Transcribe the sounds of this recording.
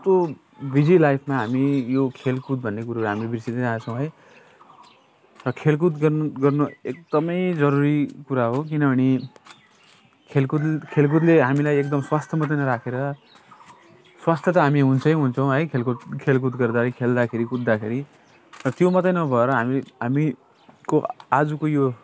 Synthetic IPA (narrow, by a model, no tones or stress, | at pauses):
t̪o | bid͡zilajpʰmaɦamijokʰelkut̪̚bʱʌnːekuɾaɾɦamilebʱirsid̪eɾaːt͡sʰʌ̃w̃ɦʌj | rʌkʰelk̬ut̪ɡʌrnɡʌrnoek̚d̪̥ʌmʌjd͡zʌɾuɾikuɾaɦok̬inʌbʱʌñi | kʰelkut̪kʰelk̬ut̪leɦamilajek̚d̪ʌmswast̪ʰjʌmʌt̪̬ʌjnʌɾakʰeɾʌ | swast̪ʰjʌt̪ʌɦamiɦunt͡sʰʌjɦunt͡sʰʌw̃ɦʌjkʰelkut̪kʰelk̬ut̪ɡʌrd̪aɾʌjkʰeld̪akʰeɾikut̪̚d̪akʰeɾi | rʌt̪jomʌt̪ʌjnʌbʱʌeɾʌɦamiɦami | koad͡zukojo